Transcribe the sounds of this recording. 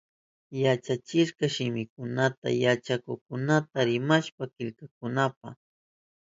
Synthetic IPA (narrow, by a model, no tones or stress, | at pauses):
jat͡ʃat͡ʃɪʃkɑʃɪmɪkʊnat̪a̰jat͡ʃakʊχkʊnat̪aɾɪmaʃpakɪʎkakʊnapa̰